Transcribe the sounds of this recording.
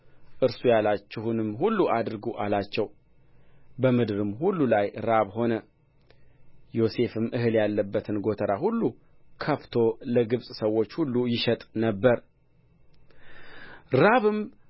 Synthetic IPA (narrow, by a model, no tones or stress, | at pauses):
ʔɨɾsujalat͡ʃːɛhunɨmːɦulːuʔad̪ɾɡoʔalat͡ʃːɛw | bəmɨd̪ɨɾɨmhulːulajɾaβho̞nə | jo̞se̞fɨmːʔɨhɨljalːəbːət̪ʰɨnɡo̞t̪ʰəɾahulːu | kʰəft̪ʰo̞ləɡɨβsʼsəwːo̞t͡ʃːhulːujɪʃɛt̪ʼnəbːəɾ | ɾaβɨm